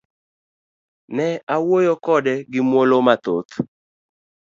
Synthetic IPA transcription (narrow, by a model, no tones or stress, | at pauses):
nɛawojokɔdɛɡɪmwolomat̪ot̪